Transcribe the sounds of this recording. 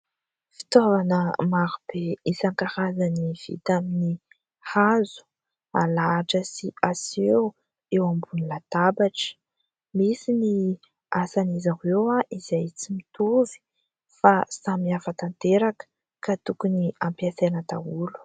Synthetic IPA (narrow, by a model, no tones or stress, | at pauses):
fi̥t̪ovanəmaɾub̥eisaŋkaɾazaniv̥ḭt̪amini | hazu̥ | alaːʈ͡ʂəsiasew | ewambunilat̪abaʈ͡ʂə̥ | misini | asanizaɦewaʔizajt͡simit̪uvi̥ | fasamiafat̪ant̪eɾakə̥ | kat̪ukuniampiaθenət̪aulu̥